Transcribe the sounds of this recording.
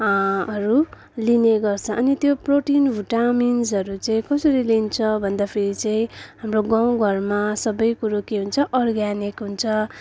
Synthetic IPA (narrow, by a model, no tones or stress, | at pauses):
ʌɾu | lineɡʌrt͡sʰʌʔʌnit̪joproʈinbʱuʈaminzʌɾut͡saĩkʌsʌɾilint͡sʰʌbʱʌnd̪apʰeɾit͡saĩɦamroɡãw̃ɡʱʌrmasʌbʌjkuɾokeɦunt͡sʰʌʔʌrɡanikɦunt͡sʰʌ